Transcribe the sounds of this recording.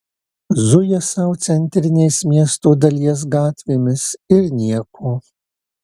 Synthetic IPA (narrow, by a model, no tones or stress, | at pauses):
zʊjɛsɐʊt̪sʲɛnʲt̪ʲɾʲɪnʲeɪsmʲiɛst̪oːd̪ɐlʲiɛs̬ɡɑːt̪ʲʋʲeːmʲɪsɪɾnʲiɛkʰoː